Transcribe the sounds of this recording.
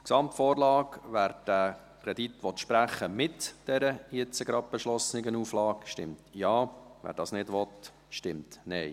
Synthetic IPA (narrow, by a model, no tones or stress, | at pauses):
ksɑmtfɔːɾlɑːkʋæːɾd̥æ | kʰɾɛdit̪ʋɔt̪ʃpɾæχəmɪtd̥ɛɾəɪt͡səɡɾɑd̚b̥əʃlɔsnɪɡənuːflɑːkʃtɪmtjɑːʋæ̰ːɾd̥ɑːsnɪdʋɔt̪ | ʃtɪmtnɛɪ